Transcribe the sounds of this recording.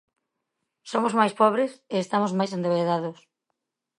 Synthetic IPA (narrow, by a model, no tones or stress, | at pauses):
somozmajspɔβɾeseest̪amozmajsend̪eβeðaðʊs